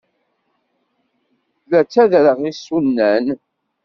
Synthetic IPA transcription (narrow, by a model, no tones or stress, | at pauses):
læt͡sːæðɾəʁisunːæn